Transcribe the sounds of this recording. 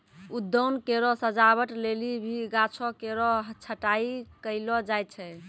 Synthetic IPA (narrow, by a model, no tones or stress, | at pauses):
ud̪ːəwnkeɾɔsəd͡ʒabəʈlelibʱiɡat͡ʃʰɔkeɾɔɦt͡ʃʰəʈaikəɪlɔd͡ʒajt̪̚t͡ʃʰɛ